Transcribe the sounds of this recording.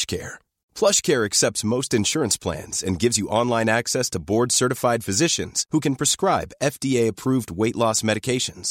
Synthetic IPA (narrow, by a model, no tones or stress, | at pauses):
ʃkʰɛ̰ɹ | pʰl̥ʌʃkʰɛɹɨksɛp̚tsmoʊstɨ̃nʃʊɹɨ̃nspʰl̥æ̰̃nz̥ɨ̰̃nɡɪvzjɨʔɑ̃nlˠãɪ̃næksɛstʰəbɔɹdsɜ˞ɾɨfaɪd̥fɨzɪʃɨ̃nz̥hukɨ̃npʰɹ̥ɨskɹaɪbɛfd̥ieɪɨpʰɹ̥uvd̚weɪʔlɔsmɛɾɨkʰeɪʃɨ̃nz̥